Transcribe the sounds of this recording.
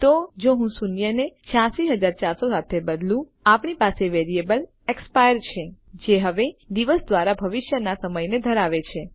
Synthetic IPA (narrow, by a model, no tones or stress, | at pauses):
t̪od͡ʒoɦũsunjənet͡ʃʰãsiɦəd͡ʒaɾt͡ʃaɾsosat̪ʰebəd̪lũ | apɳipaseʋeɾiebəl | ekspajəɾt͡ʃʰe | d͡ʒeɦəʋed̪iʋəsd̪ʋaɾabʱəʋɪʃjənasəməjned̪ʱəɾaʋet͡ʃʰe